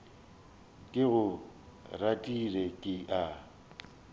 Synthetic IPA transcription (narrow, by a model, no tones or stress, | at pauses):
kʼɪɣʊratʼirɛkʼɪʔa